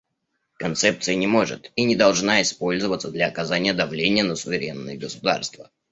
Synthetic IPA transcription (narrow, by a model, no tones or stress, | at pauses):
kɐnt̪sɛp̚t̪sɨjənʲɪmo̞ʐɨ̰t̪inʲɪd̪ɐlˠʐnaɪspo̞lʲzəvət̪səd̪lʲɐɐkɐzanʲɪjəd̪ɐvlʲenʲɪjənəsʊvʲɪɾʲe̞nːɨ̰jəɡəsʊd̪a̰rst̪və̰